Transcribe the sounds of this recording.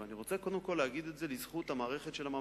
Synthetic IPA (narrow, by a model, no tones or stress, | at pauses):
eaniʁo̞t͡seko̞d̪emko̞lːeaɡid̪etze̞lizχut̪hamaːʁeχet̪ʃelama